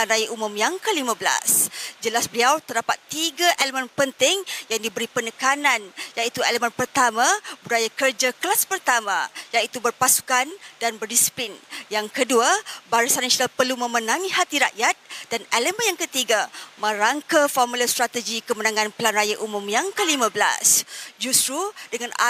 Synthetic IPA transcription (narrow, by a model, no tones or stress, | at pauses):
pəlanrajaʔumʊ̃mjaŋkəlimãbəla̰sd͡ʒəlasbəliawt̪ərdapat̪ːiɡaʔeləmə̃npənt̪ɪŋjaŋdibəɾipənəkananjait̪ueləmə̃npərt̪amãbudajakərd͡ʒakəlaspərt̪amãjait̪ubərpasu̥kandanbərdisi̥plinjaŋkəduabaɾisanasonalpərlumə̃mənãŋĩhat̪iɾaʔjat̪̚daneləmənjaŋkət̪iɡamə̃ɾaŋkafɔrmulast̪ɾat̪əd͡ʒikəmənãŋãnpəlanrajaʔumũmjaŋkəlimãbəla̰sd͡ʒust̪ɾudəŋãna